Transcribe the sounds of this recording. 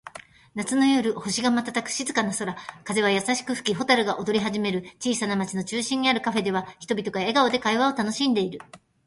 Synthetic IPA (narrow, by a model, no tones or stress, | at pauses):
nat͡sɨno̞joɾɯ̟ho̞ɕiɡamat̪at̪akɯ̟̥ɕizɨkanaso̞ɾakaze̞βajasaɕi̥kɯ̟ɸɯ̟̥kʲiɦo̞t̪aɾɯ̟ɡaʔo̞d̪o̞ɾʲiɦaʑime̞ɾɯ̟t͡ɕiːsanamat͡ɕino̞t͡ɕɨːɕĩɲ̟ːiaɾɯ̟kaɸe̞d̪e̞βaçi̥t̪o̞bʲit̪o̞ɡae̞ɡao̞d̪e̞kaiβao̞t̪ano̞ɕĩnd̪e̞iɾɯ̟